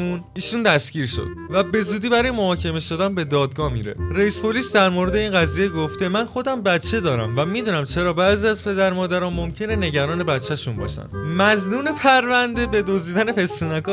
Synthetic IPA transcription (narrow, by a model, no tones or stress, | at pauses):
un | iːʃund̪æsɡ̥iːɾʃo̰d̪̥væbe̞zuːd̪iːbæɾɒːjemohɒːcʰe̞me̞ʃo̞d̪ænbe̞d̪ɒːd̪ɡɒːmḭːɾḛɾeispʰo̞lisd̪æɾmoɾe̞d̪e̞iːnɢæziːje̞ɡo̞ft̪e̞mænxo̞d̪æmbæt̪t͡ʃʰːe̞d̪ɒːɾæ̰mvæmid̪uːnæmt͡ʃʰe̞ɾɒːbæʔziæzpʰe̞d̪æɾmɒːd̪æɾɒːnmo̞mcʰe̞ne̞ne̞ɟæɾɒːne̞bæt̪t͡ʃʰːæʃunbɒ̰ːʃæ̰nd̪̥mæznuːne̞pʰæɾvænd̪e̞be̞d̪ozd̪iːd̪æne̞fe̞sunækɒ